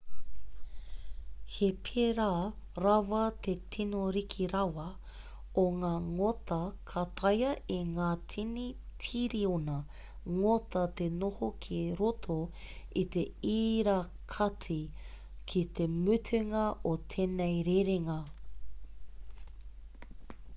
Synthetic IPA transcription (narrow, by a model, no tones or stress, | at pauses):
hepʰeɾaːɾɐwɐt̪etʰinoɾikʰiɾɐwɐ | oŋaːŋotɐkʰɐt̪ʰɐjɐʔeŋaːtʰinitʰiɾionɐ | ŋotɐt̪enohokʰiɾotʰoit̪e̞iːɾa | kʰɐtʰi | kʰit̪ʰemʉtʰʉŋɐʔot̪ʰeːnejɾeɾeŋɐ